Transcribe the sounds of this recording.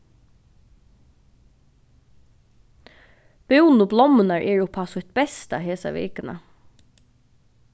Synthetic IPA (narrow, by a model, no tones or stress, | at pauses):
b̥ɪwnʊblɔmnaɹʔɛːɹʊpʰasʊht̪̚bɛst̪a̰ɦeːsa̰ʋḛːkɪna̰